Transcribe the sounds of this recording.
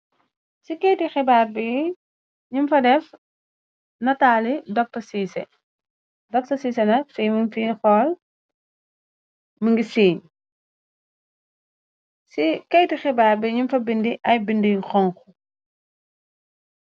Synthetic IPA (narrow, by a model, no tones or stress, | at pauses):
sikɛjtixɛbaːrbi | ɲimfɐdɛf | nɐtaːlidɔk̚tɐsiːsɛ | dɔk̚tɐsiːsɛnɐsiːmunfiːxɔːl | məŋɡisiːɲ | sikɛjtixɛbaːɾbiɲumfɐbindiʔɐjbindixɔŋxu